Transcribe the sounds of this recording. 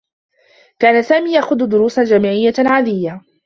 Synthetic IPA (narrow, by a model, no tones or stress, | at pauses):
kaːnasaːmiːjaxʊd̪d̪ʊɾuːsald͡ʒaːmiːʕɪjːalʕad̪ɪjːa